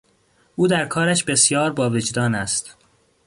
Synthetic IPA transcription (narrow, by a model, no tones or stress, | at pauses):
ʔuːd̪æɾkʰɒːɾæʃbe̞sjɒːɾbɒːved͡ʒd̪ɒːnæst̪